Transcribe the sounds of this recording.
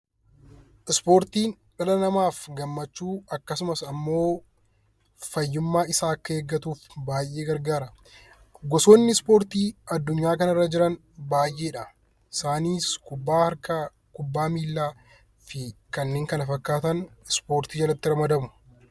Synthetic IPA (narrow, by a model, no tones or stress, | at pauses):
ʔɪspo̞ːɾt̪iːn | ᶑɐlɐnɐmaːfɡɐmːɐt͡ʃːuːɐkːɐsʊmɐsɐmːo̞ː | fɐjːʊmːaːɪsaːɐkːɐeːɡːɐt̪uːfbaːjʔːe̞ːɡɐɾɡaːɾɐ | ɡɔsoːnːɪspo̞ːɾt̪iːɐd̪ːʊɲːaːkɐnɐrːɐd͡ʒɪɾɐn | baːjʔe̞ːᶑɐ | ɪsaːniːskʊbːahɐɾkɐ | kʊbːaːmiːlːaː | fɪkɐnːeːŋkɐnɐfɐkːaːt̪ɐnɪspo̞ːɾt̪iːd͡ʒɐlɐt̪ːɪɾɐmɐd̪ɐmʊ̥